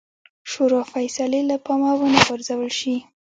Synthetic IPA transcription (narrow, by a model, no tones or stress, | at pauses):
ʃoɾofajsalelapɑmawənaɡaɾzawəlʃi